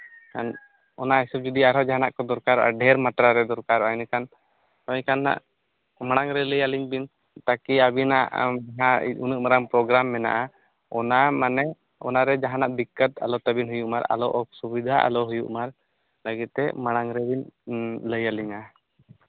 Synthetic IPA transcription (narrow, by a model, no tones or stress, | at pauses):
kan | ɔnaɦisub̚d͡ʒud̪iaɾɔd͡ʒaɦanaʔkɔd̪ɔɾkaɾːɔʔa̰ɖɛɾmat̪ɾaɾɛd̪ɔɾkaɾɔʔajnikan | ɔɲkanːa̰ʔ | maɽ̃aŋɾɛləjaliɲbin | t̪akiabina̰ʔɦaunɨʔmaɾaŋpɾɔɡɾamːɛna̰ʔa | ɔnamanɛ | ɔnaɾɛd͡ʒaɦanaʔbikːət̪alɔt̪abinɦujuʔmaɾa̰lɔʔɔsubid̪ʱaʔa̰lɔɦujuʔmaɾ | ləɡit̪̚ːɛ̰maɽ̃aŋɾɛbinləjaliɲa